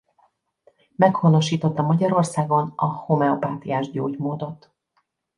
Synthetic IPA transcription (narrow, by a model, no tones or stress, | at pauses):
mɛkhono̞ʃiːt̪o̞t̪ːɒmɒɟɒɾo̞rsaːɡo̞nɒhomɛopaːt̪ijaːʒɟoːɟmoːd̪o̞t̪